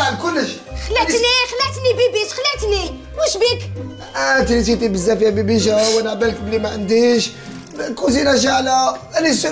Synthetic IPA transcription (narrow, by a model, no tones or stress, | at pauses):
aʕd̪kʊlːəʃ | xlæt̪nixlæt̪nibibiʃxlæt̪ni | muʃbik | ʔæt̪lit̪it̪ibəzːæfjæbibiʒæwænaʕbælk̚bəlːimaʕənd̪iʃ | kuzinæʒaʕlæænis